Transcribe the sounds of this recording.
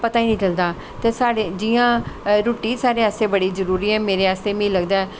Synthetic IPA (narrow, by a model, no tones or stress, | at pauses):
pət̪aːiːnĩːt͡ʃəld̪aː | t̪eːsaːɽed͡ʒiːãːɾoːʈiːsaːɾeːaːst̪eːbəɽiːzəɾuːɾiːɦɛːmeːɾeːaːst̪eːmĩːləɡd̪aːɛː